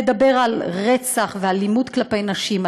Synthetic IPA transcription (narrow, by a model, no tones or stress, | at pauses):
ed̪abe̞ʁalʁet͡saχvealimudklape̞jnaʃima